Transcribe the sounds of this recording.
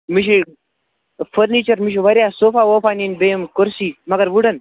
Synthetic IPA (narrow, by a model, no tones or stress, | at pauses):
miʃi | fəɾnit͡ʃɐɾmiʃ̬iʋɐɾʲjasofaʋofaninbemkoɾsiːmɐɡɐɾʋuɽən